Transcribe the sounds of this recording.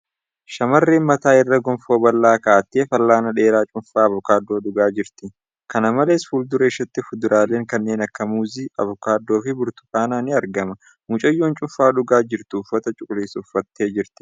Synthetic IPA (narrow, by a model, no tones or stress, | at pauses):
ʃɐmɐrːeːnmɐt̪aːɪrːɐɡɔmfo̞ːbɐlːaːkaːt̪ːeːfɐlːaːnɐᶑe̞ːɾaːt͡ʃʼʊɱfaːɐvʊkaːd̪ːo̞ːᶑʊɡaːd͡ʒɪɾt̪ɪ | kɐnɐmɐle̞ːsfuːld̪ʊɾɐɪʃɐt̪ːɪfʊd̪ʊɾaːleːŋkɐnːe̞ːnɐkːɐmuːziɐ̰vʊkaːd̪ːo̞ːfɪbʊɾt̪ʊ̥kʼaːnaːnɪɐɾɡɐmɐ | mʊt͡ʃʼɐjːoːnt͡ʃʼʊɱfaːᶑʊɡaːd͡ʒɪɾt̪ʊːfːɐt̪ɐt͡ʃʼʊkʼʊliːsʊfːɐt̪ːeːd͡ʒɪɾt̪ɪ̥